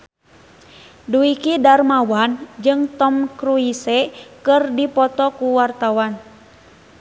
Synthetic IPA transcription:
duikidarmawand͡ʒɨŋt̪ɔmkɾuisɛkɨrdipɔt̪ɔkuwart̪awan

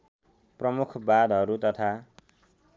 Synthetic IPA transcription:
prʌmukʰbad̪ʱɦʌɾut̪ʌt̪ʰa

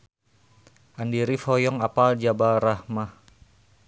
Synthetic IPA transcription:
ʔandiɾifɔjɔŋapald͡ʒabaɾahmah

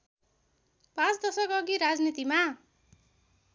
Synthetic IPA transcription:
pãt͡sd̪ʌsʌkʌɡiɾad͡znit̪ima

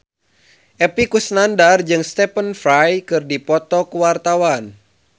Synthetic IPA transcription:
ʔɛpikusnandard͡ʒɨŋst̪ɛpənfɾajkɨrdipɔt̪ɔkuwart̪awan

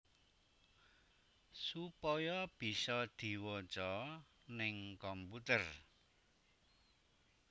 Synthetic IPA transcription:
supɔjɔb̥i̤sɔd̪̥i̤wɔt͡ʃɔ | nɪŋkɔmput̪ər

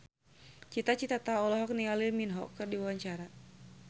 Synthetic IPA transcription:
t͡ʃit̪at͡ʃit̪at̪aɔlɔɦɔk̚niŋalirminɦɔ̰kːɨrdiuaɲt͡ʃaɾa

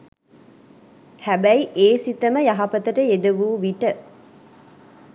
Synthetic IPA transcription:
hæbæjʔeːsit̪əməjɐɦɐpət̪əʈəed̪əʋuːʋiʈə

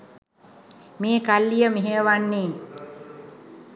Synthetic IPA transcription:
meːkalːijəmiɦeəʋanːeː

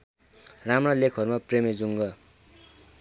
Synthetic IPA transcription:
ramrʌlekʰɦʌɾumapremed͡zuŋɡʌ

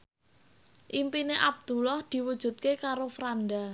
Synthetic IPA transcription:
ʔimpineʔab̚d̪̥ṳlɔhd̪̥i̤wud̥ʒ̥ṳt̪̚kekaɾofɾanɖa

